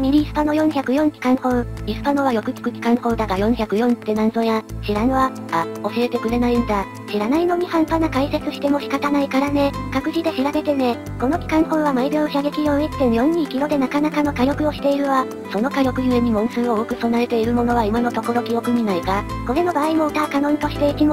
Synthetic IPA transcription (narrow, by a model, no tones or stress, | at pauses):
mʲiɾʲiːsɨ̥panojõ̞çʲakɯ̟jõ̞ŋkʲi̥kãɰ̃hõ̞ɰisɨ̥pano̞βajo̞kɯ̟kʲi̥kɯ̟kʲi̥kãɰ̃hõ̞nd̪aɡajõ̞çʲakɯ̟jõnt̪ːe̞nãnzojãɕiɾãɰβa | ao̞ɕie̞t̪e̞kɯ̟ɾe̞naĩnd̪a | ɕiɾanaino̞ɲ̟ihãmpanakaise̞t͡sɨɕi̥t̪e̞mo̞ɕi̥kat̪anaikaɾane̞kakɯ̟ʑid̪e̞ɕiɾaɡe̞t̪e̞ne̞ | ko̞no̞kʲi̥kãɰ̃hõ̞ɰ̃βamaiboːçaɡe̞kʲijõit̪ːẽɰjõ̞ɲ̟ɲːĩːkʲiɾo̞d̪e̞nakanakano̞kajo̞kɯ̟o̞ɕi̥t̪e̞iɾɯ̟βa | so̞no̞kajo̞kɯ̟jɯ̟e̞ɲ̟imõ̞ɰ̃sɨːookɯ̟so̞naɾe̞t̪e̞iɾɯ̟mo̞no̞β̞aimano̞t̪o̞ko̞ɾo̞kʲio̞kɯ̟ɲ̟inaikako̞ɾe̞no̞baːimo̞ɯ̟t̪aakanõ̞nt̪o̞ɕi̥t̪e̞ikimo